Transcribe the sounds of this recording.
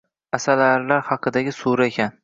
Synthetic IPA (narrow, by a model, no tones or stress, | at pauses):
asalaɾlaɾhɑqʰɨd̪aɡʲɪsuɾaekʲʰan